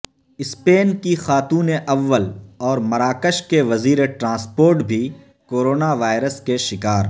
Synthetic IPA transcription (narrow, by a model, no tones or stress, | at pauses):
ɪspeːnkixaːt̪uːneʔɐʋːəlɔːɾmɐɾaːkəʃkeʋɐziːɾeʈɾãːspoːɾʈbʱi | koːɾoːnaʋaːɪɾəskeʃɪkaːɾ